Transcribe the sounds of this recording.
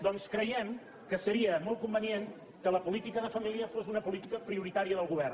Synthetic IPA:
d̪ɔnskɾəjɛm | kəsəɾiəmɔl̚ˠkumbənjen | kələpulit̪ikəðəfəmiliəfosunəpulit̪ikəpɾiuɾit̪aɾiəðəlˠɣuβ̞ɛr

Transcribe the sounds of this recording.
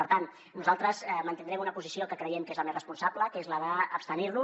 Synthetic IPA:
əɾt̪an | nuzalˠt̪ɾəzɛmənt̪ind̪ɾɛmunəpuzisiokəkɾəjɛmkezləmezrəspunsabləkezləðəːpst̪əniɾnu

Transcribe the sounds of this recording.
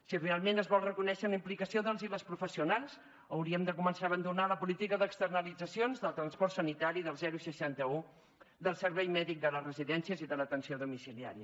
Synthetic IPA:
sirealˠmenəzβɔlˠrəkunɛʃələimplikəsioðəlˠziləspɾufəsiunalˠz | əwɾiəmd̪əkumənsaəβənd̪unaləpulit̪ikəðəkst̪ərnəlid͡zəsionzðəlˠt̪ɾənspɔrt̪sənit̪aɾiðəlˠzɛɾusəʃant̪əu | d̪əlˠsəɾβɛjmɛðik̚d̪ələzrəziðɛnsiəziðələt̪ənsioðumisilia̰ɾiə

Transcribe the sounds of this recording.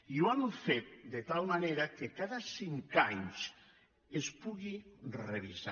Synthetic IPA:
iwamfet̪̚d̪et̪almaneɾakekaðasiŋkaɲs | espuɣireβisa

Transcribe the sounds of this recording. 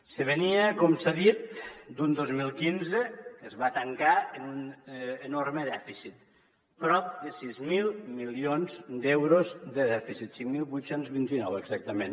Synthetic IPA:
səβeniakomsaðit̪̚d̪und̪ozmilˠkinzəkəzβat̪aŋkaenunenoɾməðɛfisit̪ | pɾɔp̚d̪əsizmilˠmilionzd̪ewɾozd̪əðɛfisit̪siŋmilˠβujt̪senzβint̪inɔweɡzak̚t̪əmẽn

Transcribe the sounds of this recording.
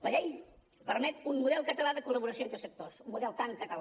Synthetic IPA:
ləʎej | pəɾmɛt̪unmuðɛlˠkət̪əlaðəkuləβuɾəsjoent̪ɾəsək̚t̪osumːuðɛlˠt̪aŋkət̪əla

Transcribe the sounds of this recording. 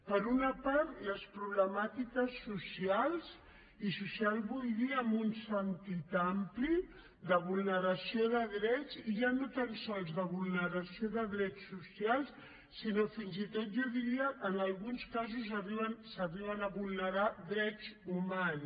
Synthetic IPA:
pəɾunəpaɾt̪ləspɾuβləmat̪ikəsːusialˠz | isusialˠβulðiəmbunsənt̪it̪ampli | d̪əβulˠnəɾəsioðəðɾɛt͡siʒanot̪ansɔlˠzðəβulˠnəɾəsioðəðɾɛt͡sːusijalˠs | sinofinzit̪ot̪̚ʒɔðiɾiəʔənəlˠɣunskazuzəriβənsəriβ̞ənəβulˠnəɾaðɾɛt͡suman

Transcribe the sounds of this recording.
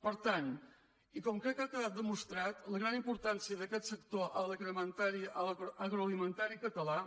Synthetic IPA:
pəɾt̪an | ikɔmkɾɛkːakːəðat̪̚d̪əmust̪ɾat̪ləɣɾanimpuɾt̪ansiəðəkɛt̪səkt̪oʔələkɾəmənt̪aɾiələɣɾoəlˠimənt̪aɾikət̪əla

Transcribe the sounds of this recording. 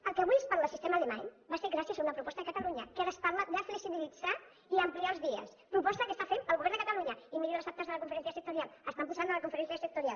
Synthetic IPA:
əlˠkəːβujəspaɾlaəsist̪ɛmalema̰ɲ | baseɾɣɾasiəzaunɐpɾupɔst̪ðəkɐt̪əluɲɐkaɾəspaɾləd̪əfləksiβilid͡za | iəmpliaəlˠzðiə̰s | pɾupɔst̪əkəst̪afempəlˠɣuβɛɾnd̪əkət̪əluɲəimiɾiləsap̚t̪əzðələkũɱfəɾɛnsjəsək̚t̪uɾialˠəst̪ampuzand̪əlɐkuɱfəɾɛnsjəsək̚t̪uɾia̰lˠ

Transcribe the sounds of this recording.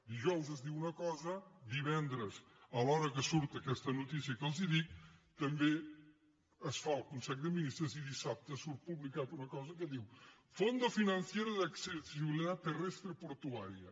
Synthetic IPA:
d̪iʒɔwzəzd̪iwunɐkɔzɐd̪iβɛnd̪ɾəs | ɐlɔɾɐkəsuɾt̪ɐkɛst̪ɐnut̪isjɐkəlˠziðik̚t̪əmbe | əsfalˠkunsɛʎd̪əminist̪ɾɐziðisap̚t̪əsuɾt̪̚puβlikat̪unɐkɔzɐkəðiw | fond̪ɐfinɐnsjeɾɐðakseɾd̪iziβiliðat̪ːərɛst̪ɾəpuɾt̪uaɾiɐ

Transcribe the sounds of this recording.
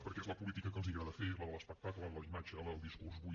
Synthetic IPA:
pəɾkɛɛzləpulit̪ikəkənzðiɣɾaðəfezləðələspək̚t̪aklˠəðələimad͡ʒələðəlˠd̪iskurzβu

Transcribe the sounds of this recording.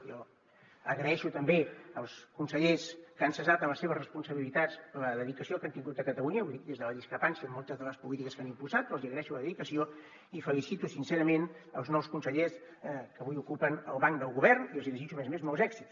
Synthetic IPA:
jɔ | əɣɾəɛʃut̪əmbeəlˠskunsəʎeskansəzat̪əmləseβəzrəspunsəβilit̪asləðəðikəsiokant̪iŋɡut̪əkət̪əluɲəβuðid̪ezðələðiskɾəpansjiəmɔlˠt̪əzðələspulit̪ikəskanimpusat̪̚pːɾɔlˠziəɣɾəɛʃuləðəðikəsio | ifəlisit̪usinseɾəmenəlˠznɔwskunsəʎes | kəβujukupənəlˠβaŋkd̪əlˠɣuβɛrnilziliʒit͡ʃumezmezmɔwzɛksit̪

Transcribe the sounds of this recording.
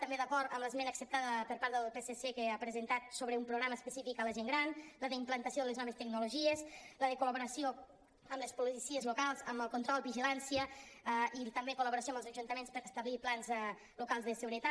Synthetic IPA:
t̪əmbeðəkɔɾt̪əmləzmɛnəksəp̚t̪aðəpəɾpaɾðəlˠpesesekeapɾəzənt̪at̪̚soβɾəumpɾuɣɾaməːspəsifikələʒeŋɡɾanləðəimplənt̪əsioðəleznɔβəst̪əɡnuluʒiəzləðəkuləβuɾəsio | əmləspulisiəzlukalˠzəməlˠkunt̪ɾɔlˠβiʒilansiə | it̪əmbekuləβuɾəs̬iombəlˠzəʒunt̪əmenspəɾəst̪əβliplanz | lukalˠzðəsəɣuɾət̪a

